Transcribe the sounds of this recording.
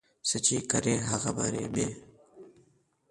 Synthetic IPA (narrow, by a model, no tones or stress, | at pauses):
sət͡ʃiːkəɾeːɦəxəbə̰ɾḛːɓeː